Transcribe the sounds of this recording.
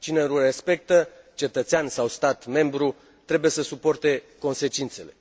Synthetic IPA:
t͡ʃineɾure̞spe̞k̚t̪ə | t͡ʃe̞t̪ət̪seansawst̪at̪me̞mbɾu | t̪ɾe̞buje̞səsupo̞rt̪e̞ko̞nse̞t͡ʃint̪se̞le̞

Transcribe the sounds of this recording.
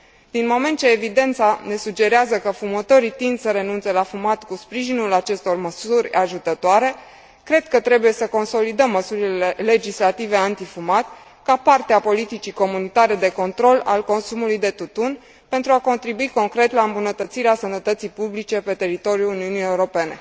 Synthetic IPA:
d̪̥inmo̞me̞nt̪̚t͡ʃeːvid̪e̞nt̪sane̞sud͡ʒe̞ɾeazəkəfumət̪oɾit̪ind̪səɾe̞nunt̪se̞lafumat̪kuspɾiʒinulat͡ʃe̞st̪o̞rməsurʲaʒut̪ət̪oaɾe̞ | kɾe̞d̪̥̚kət̪ɾe̞buje̞səko̞nso̞lid̪əmːəsuɾilee̞le̞d͡ʒislat̪ive̞ant̪ifumat̪ | kapart̪eapo̞lit̪it͡ʃiko̞munit̪aɾe̞d̪e̞ko̞nt̪ɾo̞lalko̞nsumulujd̪e̞t̪ut̪un | pe̞nt̪ɾuako̞nt̪ɾibuiko̞ŋkɾe̞t̪laɨmbunət̪ət̪siɾeasənət̪ət̪sijpublit͡ʃe̞pe̞t̪e̞ɾit̪o̞ɾjuuniunijeuɾo̞pe̞ne̞̰

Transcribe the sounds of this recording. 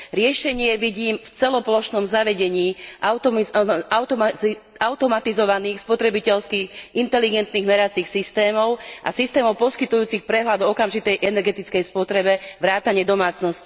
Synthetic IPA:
ɾɪɛʃɛɲɪɛʋiɟiːmft͡sɛlɔplɔʃnɔmzaʋɛɟɛɲiːʔaʊt̪aʊt̪ɔmi | aʊt̪ɔmat̪izɔʋaniːxspɔt̪ɾɛbicɛʎskiːɣint̪ɛliɡɛnt̪niɣmɛɾat͡sixsist̪ɛːmɔʊʔa̰sist̪ɛːmɔʊpɔskit̪ujuːt͡sixpɾɛɦlad̪ɔɔkamʒit̪ɛjʔɛnɛɾɡɛt̪it͡skɛjspɔt̪ɾɛbɛʋɾaːt̪aɲɪɛd̪ɔmaːt͡snɔsci

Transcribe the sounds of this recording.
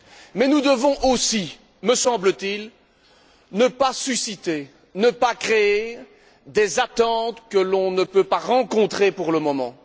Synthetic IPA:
mɛnud̪əvɔ̃ʔosi | məsɑ̃blət̪il | nəpasysit̪e | nəpakχee | d̪ezat̪ɑ̃t̪kəlɔ̃nəpøpaʁɑ̃kɔ̃t̪χepuʁləmɔmɑ̰̃

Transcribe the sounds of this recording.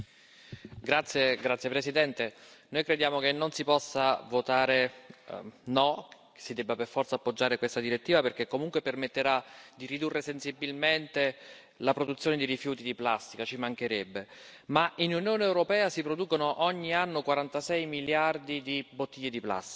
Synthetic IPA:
ɡɾat̪sːjeɡɾat̪sːjepɾesid̪ɛnt̪enojkɾed̪jaːmokenːonsipɔsːavot̪aːɾe | nɔksid̪ɛbːaperfɔrt̪sapːod͡ʒːaːɾekwest̪ad̪iɾet̪ːiːvaperk̟ekːomuŋkwepermet̪ːeɾad̪irid̪urːesensibːilment̪e | lapɾod̪ut̪sːjoːned̪iɾifjuːt̪id̪iplast̪ikat͡ʃimaŋk̟eɾɛbːemaʔinunjoːneːwɾopɛːasipɾod̪uːkonoʔɔɲːianːokwaɾant̪asɛjmiljard̪id̪ibot̪ːiʎːed̪ipla̰st̪i̥

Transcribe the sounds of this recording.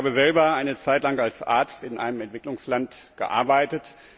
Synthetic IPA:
aːbəzɛlbɐʔaɪnət͡saɪtlaŋalsʔa̰ɐt͡stɪnʔa̰ɪnəmɛntv̥ɪklʊŋslantɡ̥ə̰ʔa̰ɐbaɪtət

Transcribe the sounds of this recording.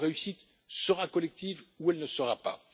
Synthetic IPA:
ʁeysit̪ | səʁakɔlɛk̚t̪ivuɛlnəsəʁapa̰

